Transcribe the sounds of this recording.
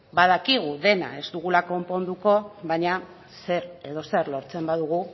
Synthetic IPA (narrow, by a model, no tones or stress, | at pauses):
baðakiɣ̞uðe̞na̰e̞zt̪uɣulako̞mpo̞nd̪uko̞βaɲa | se̞ɾe̞ðo̞se̞ɾlo̞ɾt͡se̞mbaðuɣ̞u